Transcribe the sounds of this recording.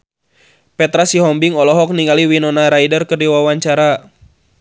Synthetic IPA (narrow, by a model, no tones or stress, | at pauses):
pɛt̪ɾasiɦɔmbiŋɔlɔɦɔk̚niŋaliwinɔnaɾajdərkɨrdiwawaɲt͡ʃaɾa